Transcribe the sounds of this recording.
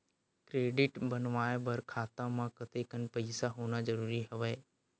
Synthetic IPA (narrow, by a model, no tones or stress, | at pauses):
kɾeːɖɪʈbənʋaːebɐɾkʰaːt̪ãmãkɐt̪ekənpɐɪsaɦoːnazɐɾuːɾiɦɐʋeː